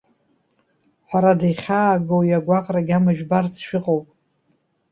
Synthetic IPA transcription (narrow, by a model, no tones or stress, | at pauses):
ħʷaɾadajχʲaːɡowjaɡʷaqʼraɡʲamaʒᶣbart͡sʰʃᶣɪqʼowpʼ